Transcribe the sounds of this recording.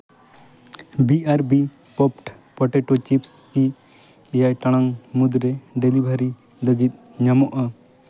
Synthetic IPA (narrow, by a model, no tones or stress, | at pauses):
biaɾbi | pɔpʈ | pɔʈɛʈot͡ʃipski | jajʈaɽ̃aŋmud̪ɾɛɖɛlibʱaɾi | ləɡit̪̚ | ɲamɔʔa